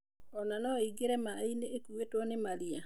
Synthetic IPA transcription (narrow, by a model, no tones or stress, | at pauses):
ɔnanɔiɡeɾɛmaineːkuwetwɔnemaɾia